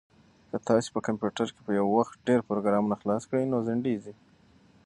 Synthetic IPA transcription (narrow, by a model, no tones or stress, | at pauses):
kət̪ɑse̥pəkampjuʈaɾke̥pəjawːaxt̪̚ɖeɾpɾoɡɾɑmunaxlɑskɽəjnozɪɳɖizi